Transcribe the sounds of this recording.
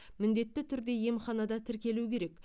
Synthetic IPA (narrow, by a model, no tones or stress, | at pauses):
mɪnd̪e̞t̪ːɪt̪ʰʏɾd̪e̞je̞mχɑnɑd̪ɑt̪ʰɪɾkʲe̞lukʲʰe̞ɾe̞k